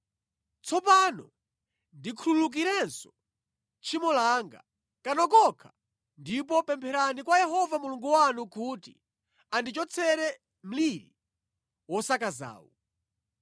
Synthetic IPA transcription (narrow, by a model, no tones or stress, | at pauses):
t͡sʰɔpanɔ | ndikʰululuk̬iɾɛnsɔ̥ | t͡ʃʰimɔlaŋɡa̰ | kanɔkɔkʰa | ndip̬ɔpɛmpʰɛɾanikwajɛɦɔvamuluŋɡuwanukuti | andit͡ʃɔt͡sʰɛɾɛ | m̩liɾi | wɔsakaza̰ːwɔ̰